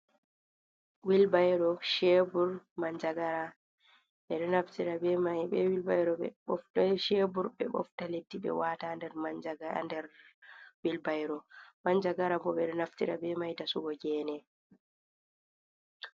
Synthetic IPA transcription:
wilbajɾɔʃebuɾmaɲd͡ʒaɡaɾa | ɓɛɗɛnaftiɾabɛmajbɛwilbajɾɔɓɛ̰ɔʃebuɾɓɛɓɔ̰ftaletːiɓɛ̰watandɛɾmad͡ʒaɡandɛɾwilbajɾɔmaɲd͡ʒaɡaɾabɔɓɛɗɛnaftiɾa̰bɛmajdasuɡɔɡɛːnɛ

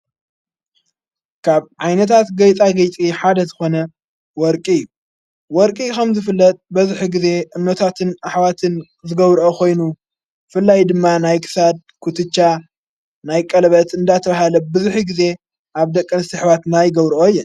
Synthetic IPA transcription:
kʰaβʕajnɐt̪ʰat̪ɡɐjt͡s̪ʼaɡɐjt͡sʼiħad̪ɐzɨxo̞nɐ | wɔɾkʼiɪjːu | wɔɾkʼikʰɐmzɨfɨlːɐt̪ʼbɐzuħiɡize̞ʔɨnːot̪ʰat̪ʰɨnaħwat̪ʰɨn | zɨɡɐβɾʔokʰo̞jnu | fɨlːajd̪ɨmːanajkʰɨ̥sad̪̚ | kʰut̪ʰɨt͡ʃːa | najkʼɐlβɐt̪ɨnd̪at̪ʰɐβaɦalɐbɨzuħiɡɨze̞ | ʔaβd̪ɐkʼːɨnsɨħβat̪najɡɐβɾʔoɨjːɛ

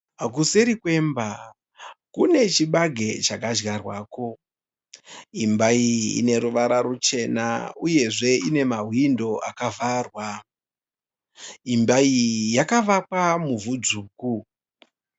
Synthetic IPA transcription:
ak̬useɾikwe̞mba | kune̞t͡ʃiɓaɡʱe̞t͡ʃakaʒɣarwaːko̞ | imbaiḭne̞ɾuʋaɾaɾut͡ʃe̞na̰uje̞ʐe̞ine̞maɦwindo̞ʔakavʱarwa | imbaijakaʋakwamuvud͡zuːku

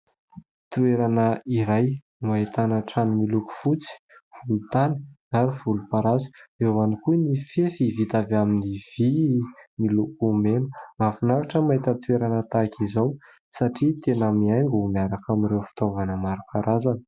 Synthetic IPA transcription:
t̪ueɾanəiɾaj | mait̪anəʈ͡ʂanimiluku̥fut͡si̥ | v̥ulut̪ani̥aɾiv̥ulupaɾazi̥ewanikunifefivit̪avaminiv̥imilukumenumafunavaʈ͡ʂəmaɦit̪ət̪ueɾanət̪akʰizaw | saʈ͡ʂit̪enəmiajŋɡumiaɾakamiɾewfi̥t̪ovanəmaɾipʰaɾazanə

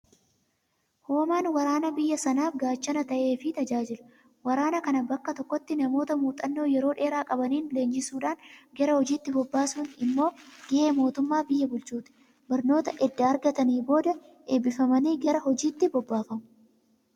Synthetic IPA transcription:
ho̞ːmaːnwɐɾaːnɐbɪjːɐsɐnaːfɡaːt͡ʃːɐnɐt̪ɐʔe̞ːfɪt̪ɐd͡ʒaːd͡ʒɪlʊ̥ | wɐɾaːnɐkɐnɐbɐkːɐt̪ɔkːɔt̪ːɪnɐmo̞ːt̪ɐmuːt̪ʼɐnːo̞ːjɛɾo̞ːᶑe̞ːɾaːkʼɐbɐniːnle̞ːnd͡ʒɪsuːᶑaːnɡɐɾɐhɔd͡ʒiːt̪ːɪbɔbːaːsuːnɪmːo̞ːɡ̥ɪʔe̞ːmo̞ːt̪ʊmːaːbɪjːɐbʊlt͡ʃuːt̪ɪ̥ | bɐɾno̞ːt̪ɐʔɛd̪ːaːɾɡɐt̪ɐniːbo̞ːd̪ɐ | ʔeːbɪfɐmɐniːɡɐɾɐhɔd͡ʒiːt̪ːɪbɔbːaːfɐmʊ̥

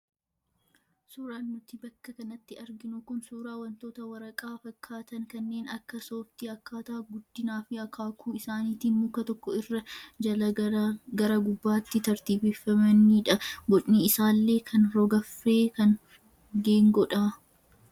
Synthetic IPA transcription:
suːɾaːnːʊt̪ɪbɐkːɐkɐnɐt̪ːɪɐɾɡɪnʊkʊnsuːɾaːwɐnt̪oːt̪ɐwɐɾɐkʼaːfɐkːaːt̪ɐŋkɐnːe̞ːnɐkːɐsoːft̪ɪɐkːaːt̪ɐːɡʊd̪ːɪnaːfɪɐkʰaːkuːɪsaːniːt̪iːnmʊkːɐt̪ɔkːɔɪrːɐd͡ʒɐɐɡɐɾɐɡʊbːaːt̪ːɪt̪ɐɾt̪iːfefːɐmɐnːiːᶑɐɡɔt͡ʃʼniɪsaːlːe̞ːkʰɐnɾɔɡɐfːeːkɐn | ɡe̞ːŋɡɔᶑa

